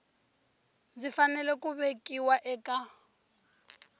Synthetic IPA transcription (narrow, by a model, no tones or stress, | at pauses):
zifanɛlɛkʼuβekʼiwaʔɛkʼa